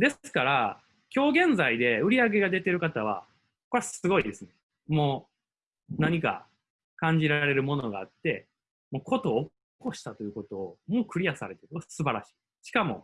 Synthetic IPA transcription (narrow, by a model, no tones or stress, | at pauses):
d̪e̞ssɨ̥kaɾa | kʲo̞ːɡẽ̞nzaid̪e̞ɯ̟ɾʲiaɡe̞ɡad̪e̞t̪e̞ɾɯ̟kat̪aβ̞a̰ | kokoɾasɨɡo̞id̪e̞sɨne | moː | naɲ̟ika̰ | kãɲ̟d͡ʑiɾaɾe̞ɾɯ̟mo̞no̞ɡaːt̪ːe̞ | moːkʰo̞t̪o̞ː | ko̞ɕi̥t̪at̪o̞jɯ̟ko̞t̪o̞ːmo̞ːkɯ̟ɾʲijasaɾe̞t̪eɾsɨbaɾaɕi̥ː | ɕi̥kamo̞̰